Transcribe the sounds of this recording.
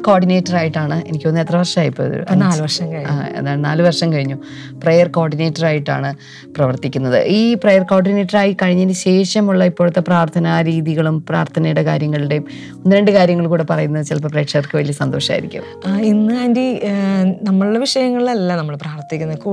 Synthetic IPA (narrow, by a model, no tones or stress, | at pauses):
ko̞ːɖine̞ːtːɐraːjiʈːaːɳɨenikʲːo̞nːɨet̪rɐʋɐrʂɐmaːjipːoːɐ̰ðṵṵpːnaːlʋɐrʂɐmkɐɻiɲaːḛðaːnaːlɨʋɐrʂɐmkɐɻiɲːu | prejɐrko̞ːɖine̞ːtːɐraːjiʈːa̰ːɳɨ | prɐʋɐrt̪ikʲːunːɐðɨ̰ʔiːprejɐrko̞ːɖine̞ːtːɐraːjikɐɻiɲːɐnɨɕe̞ːʂjɐmuɭːɐipːo̞ːɭut̪ːe̞praːrt̪ʰɐnɐɾiːðiɣɐɭumpra̰ːrt̪ʰɐnɐjɽɐkaːɾjɐŋːɐɭiɽe | onːɨɾeɳɖɨkaːɾjɐŋːɐɭkuːɽe̞pɐrɐjunːɐðɨt͡ɕilɐpːɐpreːʈʂɐrkɨʋɐlijɐsɐnd̪o̞ːʂɐa̰ːiɾikʲːṵ | inːɨaːndi | nɐmːɐɭuɽeʋiʂɐjɐŋːɐɭilɐlːɐnɐmːɐɭpraːʋɐrt̪ikʲːunɐku